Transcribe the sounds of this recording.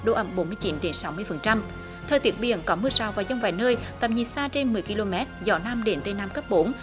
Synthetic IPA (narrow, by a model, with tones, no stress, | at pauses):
ɗo˧˩ʔə˧˩mɓo˨˦nmɨ˧əjt͡ɕi˨˦nɗe˨˦nsa˨˦wmɨ˧əjfə˨˩nt͡ɕa˧m | t̪ʰəː˨˩t̪i˦˥ət̚ɓḭ˧˨ənkɔ˨˦mɨ˧əsaː˨˩wvaː˨˩zə˧wŋ͡mva̰˧˨˩jnəː˧jt̪ə˨˩p̚ɲḭ˨˩saː˧t͡ɕe˧nmɨ˨˩əjki˧lo˧mɛ˦˥t̚zɔ˧˩˦naː˧mɗe˨˦nt̪e˧naː˧mkə˦˥p̚ɓo˨˦n